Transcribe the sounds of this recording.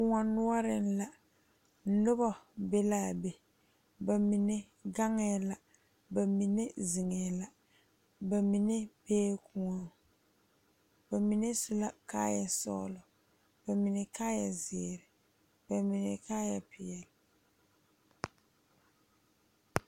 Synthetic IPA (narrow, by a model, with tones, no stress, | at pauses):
kʊ˨ŋa˨nʊ˦a˦ɾɪ˨n̩˦la˨˦ | nʊ˦bɔ˨be˦laː˦˨be˨ | ba˨mi˨nɛ˦ | ɡa˦ŋɛ˦la˨ | ba˨mi˨ne˦zi˨ŋɛ˨la˨ | ba˨mi˨ne˦beː˦kʊ˨ŋɔ˦ | ba˨mi˨ne˦sʊ˦la˦ka̰ː˦ja˨sɔ̰˦lɔ˨ | b̥a˨mi˨nɛ˨kaː˦ja˨zɪ˨ɛ˨ɾɪ˨ | b̥a˨mi˨nɛ˨kaː˦ja˨pɪ˨ɛ˨lɪ˨